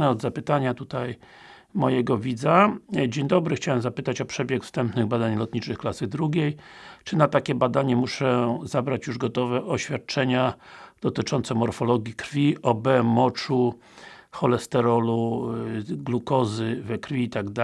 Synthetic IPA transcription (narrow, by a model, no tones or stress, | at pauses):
ɛɔd̪zapɘt̪aɲat̪ut̪aj | mɔjɛɡɔvʲid̪zad͡ʑeɲd̪ɔbɾɘxt͡ɕawɛmzapɘt̪at͡ɕɔpʂɛbʲjɛkfst̪ɛmpnɘɣbad̪aɲlɔt̪̚ɲit͡ʂɘxklasɘd̪ɾuɡʲejt͡ʂɘnat̪akʲɛbad̪aɲɛmuʂɛzabɾat͡ɕjuʐɡɔt̪ɔvɛʔɔɕfʲjat̪̚t͡ʂɛɲad̪̥ɔt̪ɘt͡ʂɔnt̪sɛmɔɾfɔlɔɡʲjikɾfʲiʔɔbɛmɔt͡ʂu | xɔlɛst̪ɛɾɔlu | ɡlukɔzɘvɛkɾfʲiit̪aɡd̪a